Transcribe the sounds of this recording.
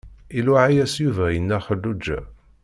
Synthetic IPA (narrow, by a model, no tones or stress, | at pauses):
ilaʕajæsjuvæjənːæχədːud͡ʒːæ̰